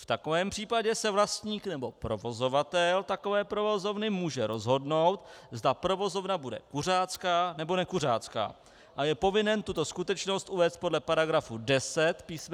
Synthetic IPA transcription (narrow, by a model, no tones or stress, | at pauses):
ft̪ako̞vɛːmpr̝̥iːpaɟɛsɛvlast̪ɲiːknɛbo̞pɾo̞vo̞zo̞vat̪ɛlt̪ako̞vɛːpɾovo̞zo̞vnɪmuːʒɛɾo̞zɦo̞dno̞wt̪zd̪apɾo̞vo̞zo̞vnabudɛ̰kur̝aːt͡skaːnɛbo̞nɛkur̝a̰ːt͡ska̰ː | ʔajɛpo̞vɪnɛnt̪ut̪o̞skut̪ɛt͡ʃno̞st̪ʔuvɛːst̪̚podlɛpaɾaɡɾafudɛsɛt̪piːsm